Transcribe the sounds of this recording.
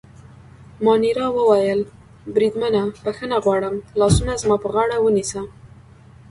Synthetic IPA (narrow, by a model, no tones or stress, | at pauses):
mɑniɾɑwəwajəl | bɾid̪mənabəxənaɣwɑɽəmlɑsunazmɑpəɣɑɽawənisə